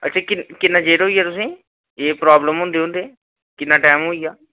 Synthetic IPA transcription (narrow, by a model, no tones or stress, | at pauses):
ə̰tːʃʰaːkɪkɪnːãːd͡ʒeːʈɦoːiːjaːt̪ʊsĩː | eːpɾaːbləmɦʊ̃ːnd̪eːɦõnd̪eː | kɪnːãːʈaːmɦoːiːaː